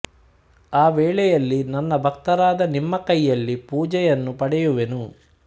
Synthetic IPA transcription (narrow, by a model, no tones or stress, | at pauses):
aːʋɛːɭɛjɐlːinɐnːɐbʱɐk̚t̪ɐɾaːd̪ɐnimːɐkɐjːɐlːipuːd͡ʒɛjɐnːupɐɽɛjuʋenu